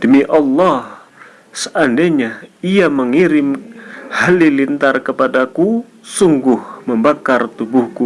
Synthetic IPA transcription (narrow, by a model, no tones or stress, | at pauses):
d̥əmiʔɑlːɑh | səʔandaɲaiaməŋiɾɪmhalilint̪arkəpadaku | suŋɡʊhməmbakart̪ubuhku